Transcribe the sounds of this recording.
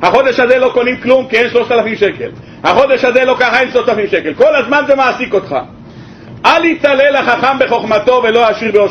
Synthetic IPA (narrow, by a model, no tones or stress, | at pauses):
haχo̞d̪eʃhazelo̞ko̞nimklumkienʃlo̞ʃt̪alafimʃeke̞̰l | haχo̞d̪eʃhazelo̞kaχaenʃloʃt̪alafimʃekelko̞lazmanzemaːsiko̞t̪χa̰ | alhit͡salelaχaχambe̞χo̞χmat̪o̞velo̞haʃiʁbeo